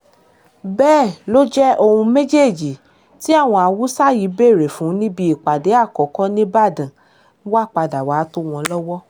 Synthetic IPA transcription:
bɛː˦˨lo˦d͡ʒɛ˦ʔo˧hũ˧mẽ˦d͡ʒe˦˨d͡ʒi˨ | ti˦a˦˨w̃ɔ̃˧a˧wu˦sa˦ji˨˦be˦˨ɾe˨fũ˨˦nĩ˦bi˧˦i˨k͡pa˨de˨˦a˦˨kɔ˨˦kɔ˦nĩ˦ba˦˨dã˨˦ | wa˦˨k͡pa˧da˨wa˨˦to˦w̃ɔ̃˧lɔ˦wɔ˦

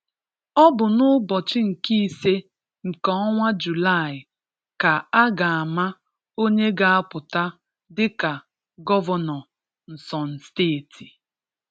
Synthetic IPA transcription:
ɔ˦bʊ˨nʊ˦bɔ˨t͡ʃɪ˦ŋ̩˨ki˦i˦se˦ | ŋ̩˨kɔ˦ɔ˦ŋʷa˦d͡ʒu˨la˦˨ɪ˨ | ka˨a˦ɡa˨a˨ma˦ | o˦ɲe˦ɡa˨a˦pʊ˨ta˦ | dɪ˦ka˨ | ɡɔ˦vɔ˦nɔ˨ | n̩˨sɔ˨n̩˨steː˦˨tʰi̥˨

